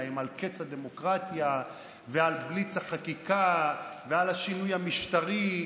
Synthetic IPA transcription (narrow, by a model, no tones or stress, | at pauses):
emalket͡shad̪emo̞kʁat̪ja | vealblit͡shaχakikavealhaʃinujhamiʃt̪aʁi